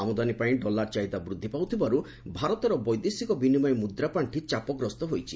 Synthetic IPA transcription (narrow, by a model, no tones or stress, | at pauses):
amɔd̪anipaĩɖɔlaɾt͡ʃaid̪abɾud̪ʱːipawt̪ʰibaɾu | bʱaɾɔt̪ɔɾɔbɔjd̪esikɔbinimɔjmud̪ɾapaɳʈʰit͡ʃapɔɡɾɔst̪ɔɦojt͡ʃʰi